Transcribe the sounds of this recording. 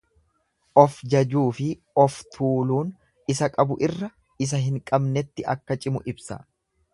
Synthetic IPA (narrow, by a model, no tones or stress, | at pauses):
ʔɔfd͡ʒɐd͡ʒuːfɪ | ɔft̪ʰuːluːn | ɪsɐkʼɐbʊʔɪrːɐ | ɪs̬ɐɦɪŋkʼɐbnɛt̪ːɪʔɐkːɐt͡ʃʼɪmʊʔɪbsɐ̰